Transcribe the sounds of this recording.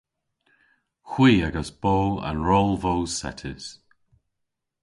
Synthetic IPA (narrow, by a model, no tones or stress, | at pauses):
xw̥iːaɡəsb̥oːa̰nɹɔlˠvowsɛ̰tʰə̰z̥